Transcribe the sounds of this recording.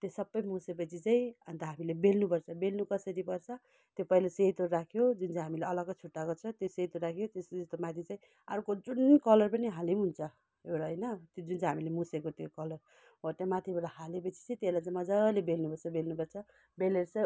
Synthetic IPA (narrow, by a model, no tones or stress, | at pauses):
t̪osʌbːʌjmusep̬ʌt͡sʰit͡saĩʌnt̪aɦamilebelnupʌrt͡sʰʌbelnukʌsʌɾipʌrt͡sʰʌ | t̪jopʌilaset̪orakʰjod͡zunt͡sajɦamileʌlʌɡʌt͡sʰuʈːaɡʌt͡sʰʌt̪joset̪orakʰijot̪esest̪omat̪ʰit͡saĩ | aɾukod͡zunkʌlʌrpʌniɦalemɦunt͡sʰʌ | ewɽaɦʌjnʌt̪jod͡zunt͡saɦamilemusekot̪jokʌlʌr | oʈamat̪ʰibʌɽaɦalepʌt͡sʰi̥t͡sajt̪elajt͡sãj̃mʌd͡zalebelnupʌrt͡sʰʌbelnupʌrt͡sʰʌ | beleɾt͡sʌ